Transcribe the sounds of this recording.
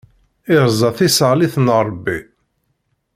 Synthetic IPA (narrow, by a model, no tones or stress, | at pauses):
ɪɾzˤɑθisəʁliθnɾˤbːi